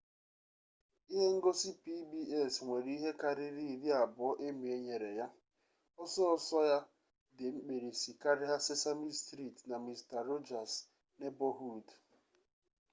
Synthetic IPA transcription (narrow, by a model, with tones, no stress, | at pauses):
i˦ɦe˦ŋ̩˦ɡo˦si˦pi˦bi˦ɛ˦˨sŋʷe˨ɾi˦ɦe˦ka˦ɾɪ˦ɾi˦˨ɾi˦a˨bʊ˨ɔ˦ʔe˦mi˨e˦ɲe˨ɾe˨ja˦ | ɔ˦sɔ˦ɔ˨sɔ˦ja˦ | de˨ŋ͡m̩˦k͡pe˨ɾi˨si˨ka˦ɾɪ˦ɦa˦se˦sa˦mi˦stɾi˦˨tna˨mi˨sta˨ɾo˦d͡ʒa˨s | ne˦bɔ˦ɦu˦˨d